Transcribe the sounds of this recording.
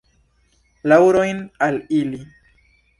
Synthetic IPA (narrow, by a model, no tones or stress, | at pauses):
lawɾo̞jnalili